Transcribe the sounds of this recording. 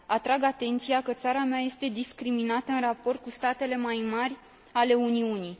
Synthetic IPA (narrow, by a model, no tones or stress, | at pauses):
at̪ɾaɡat̪e̞nt̪sijakət̪saɾameaje̞st̪e̞d̪iskɾiminat̪əɨnrapo̞rt̪̚kust̪at̪e̞le̞majmarʲ | ale̞uniuni